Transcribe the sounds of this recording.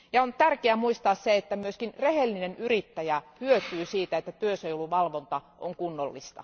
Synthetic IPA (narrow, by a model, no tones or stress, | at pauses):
jɑont̪ærkeæmuist̪ɑːsseet̪ːæmyøskinrehelːinenyrit̪ːæjæhyøt̪yːsiːt̪æet̪ːæt̪yøseiolːuʋɑlʋont̪ɑʔo̰ŋkunːolːḭst̪ɑ̰